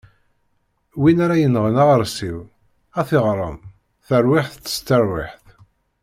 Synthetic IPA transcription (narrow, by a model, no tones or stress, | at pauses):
winaɾajənʁənaʁəɾˤsiw | æθɪʁɾˤə̰m | θəɾwɪħθt͡sːə̥st̪əɾwiħθ